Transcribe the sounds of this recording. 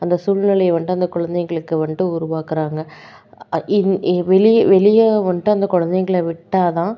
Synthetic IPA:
ɐnd̪ɐsuːlnɪlɐɪʋɐɳɖɯɐnd̪ɐkʊɻɐnd̪ɛɪŋɡɐɭɯkːɯʋɐɳɖɯʊɾʊʋaːkɪɾaːŋɡɐ | ɪʋɛlɪʋɛɭɪjɐʋɐɳɖɯɐnd̪ɐkʊɻɐnd̪ɛɪŋɡɐɭɐʋɪʈːaːt̪ãː

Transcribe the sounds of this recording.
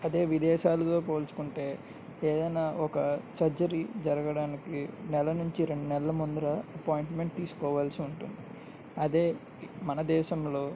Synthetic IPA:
ɐd̪e̞ːʋid̪ɛːʃaːlɐt̪o̞ːpoːlt͡ʃu̥kuɳʈe̞ː | eːd̪ɐjnaːɔkɐsɐɾd͡ʒɐɾid͡ʒɐɾɐɡɐɽaːnikinɛlɐnuɲt͡ʃiɾe̞ɳɖunɛlɐɐmund̪uɾɐɐpaːjɳʈme̞ɳʈ̚t̪iːsu̥kɔːʋaːlsiuɳʈund̪i | ɐd̪e̞ː | mɐnɐd̪ɛːʃɐmlo̞ː

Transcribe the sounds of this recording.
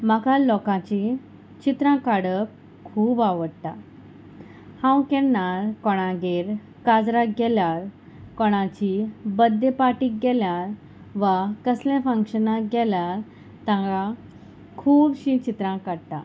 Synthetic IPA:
makalɔkãt͡ɕi | t͡ɕit̪ɾãkaɽə | kʰuːbaʋəɽt̪a | hãwkɛnaɾkɔɽ̃ãɡeɾ | kad͡zɾaɡɛljaɾ | kɔɽ̃ãt͡ɕibəd̪ːepaʈiːk̚ɡɛljaɾ | ʋakəslãfə̃ŋkɕənãɡɛljaɾ | t̪ãɡa | kʰuːbɕĩt͡ɕit̪ɾãkaɽt̪a

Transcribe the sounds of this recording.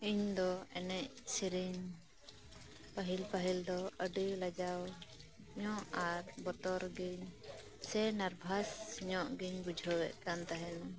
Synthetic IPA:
iɲd̪ɔɛnɛc̚siɾiɲ | paɦilpaɦild̪ɔəɖilad͡ʒaw | ɲɔʔaɾbɔt̪ɔɾɡiɲ | sɛnaɾbʱasːiɲɔʔɡiɲbud͡ʒʱəwɛʔkant̪aɦɛn

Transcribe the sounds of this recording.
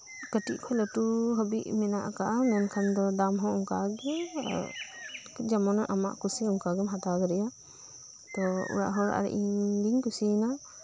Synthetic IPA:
kəʈiʔkʰɔjləʈuɦəbiʔmɛnaʔkaʔamɛnkʰand̪ɔd̪amɦɔ̃ɔŋkaɡɛ | d͡ʒamɔnaʔama̰ʔkusiɔŋkaɡɛmɦat̪aɡɔɾɛja | t̪ɔṵɾa̰ʔɦɔɾa̰ʔɾɛ̰ʔid̪iɲkusina

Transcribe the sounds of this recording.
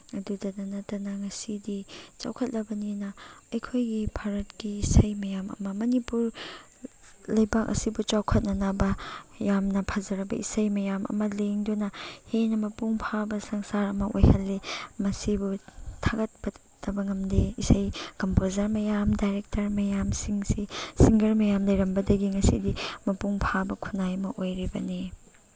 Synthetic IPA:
ɐdudɐnɐnɐtɐnɐŋɐsidit͡ʃa̰wkʰɐt̚lɐbɐninɐɐjkʰojɡipʰaɾɐt̚kiːsɐjmɐjamɐ̰mɐmɐnipuɾ | lɐjbak̚ɐ̰sibut͡ʃawkʰɐt̚nɐnɐbɐjamnɐpʰazɐɾɐbɐ̰ʔḭsɐjmɐjamʔɐ̰mɐleŋdonɐhenɐmɐpuŋpʰabɐsɐŋsaɾɐmɐʔo̰jhɐlːemɐsibutʰaɡɐt̚bɐ | d̥ɐbɐŋɐmdeisɐjkɐmpozɐɾmɐjamdajɾek̚tɐɾmɐjamsiŋsisiŋɡɐɾmɐjamlɐjɾɐmbɐdɐɡiŋɐsidimɐpuŋpʰabɐkʰunːajɐmɐʔojɾibɐ̰ni

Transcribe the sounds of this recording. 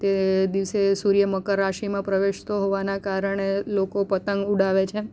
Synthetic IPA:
t̪ed̪iʋsesuɾjəməkəɾːaʃimãpɾəʋeʃt̪oɦoʋanakaɾəɳ̃elokopət̪əŋɡuɽaʋet͡ʃʰe

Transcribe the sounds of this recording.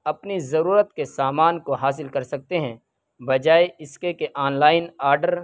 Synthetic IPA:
ɐpnizɐɾuːɾət̪kesaːmaːnkoɦaːs̬ɪlkɐɾsɐk̚t̪eɦɛ̃ | bɐd͡ʒaːeɪskekeʔaːnlaːɪnaːɾɖəɾ

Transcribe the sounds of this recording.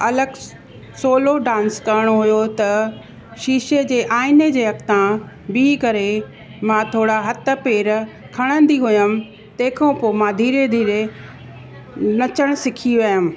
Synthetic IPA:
ɐləɡ | soːloɖãːnskɐɾəɽ̃oɦʊjot̪ɐ | ʃiːʃed͡ʑeːʔaːɪned͡ʑeːɐkt̪ã | bikɐɾe | mãːt̪ʰoːɽaɦɐt̪̆peːɾ | kʰɐɽ̃ə̃n̆d̪iɦʊjəm̆ | t̪ɐ̃ːkʰõpomãd̪ʱiːɾed̪ʱiːɾe | nɐt͡ɕəɽ̃sɪkʰiʋɐjəm̆

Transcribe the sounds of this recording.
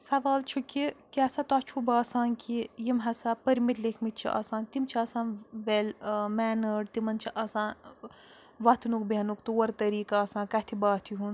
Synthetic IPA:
sɐʋaːlt͡ʃʰukikʲasɐt̪at͡ʃʰubaːsaːnkijimɦɐsapɐɾmit̪lekʰmit̪̚t͡ʃʰḭʔɐ̰sãːnt̪imt͡ʃʰiɐsãːnʋelmɛːnɐɖt̪imɐnt͡ʃʰiʔɐsãːn | ʋɐt̪ʰnukbiɐnukt̪uwɐɾt̪ɐɾiːkaɐsãːkɐt̪ʰibaːt̪ʰiɦun

